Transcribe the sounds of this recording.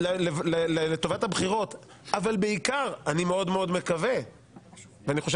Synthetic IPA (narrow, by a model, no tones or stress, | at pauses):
levlelelet̪o̞vathabχiʁo̞t | avalbeikaʁanimeo̞d̪meo̞d̪me̞kave | veaniχo̞ʃe